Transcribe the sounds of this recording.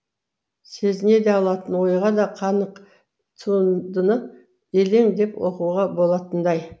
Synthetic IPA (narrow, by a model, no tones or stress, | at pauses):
se̞zɪne̞d̪e̞ɑlˠɑt̪ənwo̞jʁɑd̪ɑqʰɑnəq | t̪ʰund̪ənə | e̞le̞ŋd̪e̞pwo̞̰quʁɑbo̞lˠɑt̪ənd̪ɑj